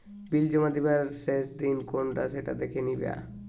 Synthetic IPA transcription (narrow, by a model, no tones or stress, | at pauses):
bild͡ʑomad̪ibaɾseʃd̪inkonʈaseʈa̰d̪ekʰenibḛa̰